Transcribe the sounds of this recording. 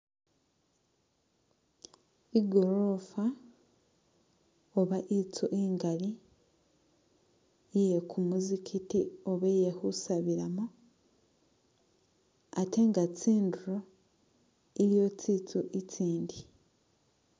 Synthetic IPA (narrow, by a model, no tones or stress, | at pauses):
iɡo̞ɾo̞fa | oβaʔit͡suʔiŋɡali | jekʰumuzikʰitioβejehusaβiɾamu | ate̞ŋɡat͡siːnduɾo | iɾijo̞t͡sit͡suʔit͡siːndi